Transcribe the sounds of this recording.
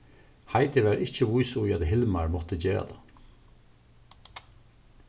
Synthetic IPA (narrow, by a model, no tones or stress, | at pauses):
haɪt̪ɪʋæɾɪhcəʋujsʊjad̪ɦɪlmaɹmɔt̪əd͡ʑeːɾa̰d̪ʰa̰